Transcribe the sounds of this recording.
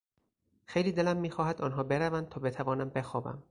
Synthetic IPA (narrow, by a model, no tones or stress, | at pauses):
xejliːd̪e̞læmːiːxɒːhæd̪ɒːnɦɒːbe̞ɾævæn̚t̪ʰɒːbe̞t̪ʰævɒːnæmbe̞xɒːbæ̰m